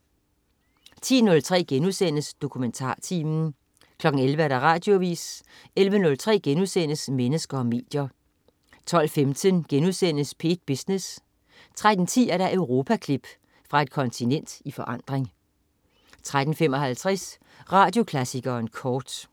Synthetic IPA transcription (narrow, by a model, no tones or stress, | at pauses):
t͡sʰḭːnɔ̽lt͡sʰʁɛ̰ːɡ̥enuðˠsen̰əsd̥o̝kʰument͡sʰɑ̰̈ːt͡sʰḭːmn̩ | kʰlɒ̽ɡ̥n̩elʋəæɐɾ̥ɑ̈ʁɑ̈ːd̥jo̝ʋḭːs | elʋənɔ̽lt͡sʰʁɛ̰ːɡ̥enuðˠsen̰əsmenəsɡ̥ɐɒ̽me̝̰ːd̥jɐ | t͡sʰɒ̽l̰femt͡sʰənɡ̥enuðˠsen̰əspʰe̝̰ːd̥̚b̥isnes | t͡sʰʁad̥n̩t͡sʰḭːæɐɾɑ̈ʔøʊʁo̝ːpʰækʰlib̥ | fʁɑ̈e̝d̥̚kʰɒ̽nt͡sʰinen̰d̥ifɒ̽ʔɑ̈n̰d̥ʁeŋ | t͡sʰʁad̥n̩fem̰ɒ̽ɦælt͡sʰʁɛs | ʁɑ̈ːd̥jo̝kʰlæsiɡ̥ɐnkʰɒːd̥